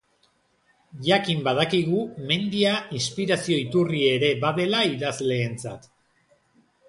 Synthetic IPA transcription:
ʝakimbað̞akiɣume̞nd̪iainspiɾasio̞it̪urieɾe̞baðe̞laiðazle̞ːnt͡sa̰t̪

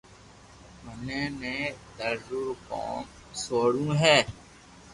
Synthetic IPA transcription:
mənẽːnẽːd̪əɾzʊɾko̰ːm | soːɽũːɦɛː

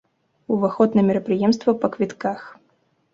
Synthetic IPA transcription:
uvaxɔt̪nɐmʲɛɾɐpɾɨjɛmst̪vɐpɐkvʲit̪kax

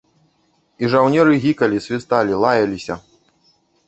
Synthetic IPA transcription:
iʐawnʲɛɾɨɣʲikɐlʲisʲvʲist̪alʲilˠajɐlʲisʲɐ

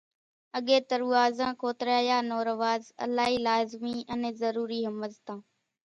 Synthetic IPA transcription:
əɠeːt̪əɾuːaːzãːkoːt̪ɾaːjaːnoːɾəʋaːzə̰laːɦiːlaːzmiːəneːzəɾuːɾiːɦəməzt̪ãː

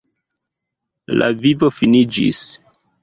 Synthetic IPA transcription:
la̰vivo̞finid͡ʒḭs

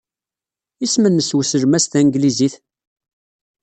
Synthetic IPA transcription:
ismənːəswəsəɾmæst̪æŋɡliziθ

